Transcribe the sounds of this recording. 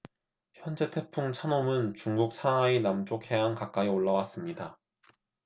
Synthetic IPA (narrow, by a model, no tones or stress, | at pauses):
çjʌnd͡ʑe̞tʰe̞pʰuŋt͡ɕʰanomɯnt͡ɕuŋɡuk̚sʰanɦainamt͡ɕ͈okʰhe̞ɦankak͈aioɭːawas͈ɯmɲida